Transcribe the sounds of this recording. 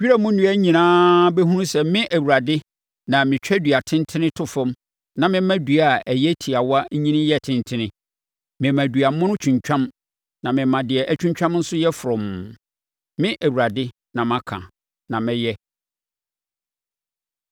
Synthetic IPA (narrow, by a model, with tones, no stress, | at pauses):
ɥi˦ɾa˦mʊ̃˦nũ˨˦ɛ˦ɲĩ˨nãː˦bɛ˦ɦũ˦nũ˦sɛ˨mɪ̃˦ʔæ˨wu˨ɾa˨dɪ˦ | nã˨mɪ̃˨t͡ɕᶣɛ˦dɥa˨tʰɪ̃˦ntʰɪ˦nɪ̃˦tʰʊ˦fɔ̃˦m | nã˨mɪ̃˦mã˦du˨a˨æ˨jɛ˦tʰi˨a˨wɔ˦a˦ɲĩ˦nɪ̃˦jɛ˦tʰɪ̃˦ntʰɪ̃˦nɪ̃˦ | mɪ̃˨mæ̃˨dɥa˨˦mʊ̃˦ʊ̃˦t͡ɕʰᶣũ˨ɲt͡ɕᶣã˦m | nã˨mɪ̃˨mã˨dɪ˨ɛ˨ʔæ˦t͡ɕᶣũ˦ɲt͡ɕᶣã˦mn̩˦sʊ˦jɛ˦fʊ˨ɾʊ̃˨m | mɪ̃˦ʔæ˨wu˨ɾa˨dɪ˦ | nã˨mã˨kʰã̰˨ | nã˨mɪ̃˦jɛ˦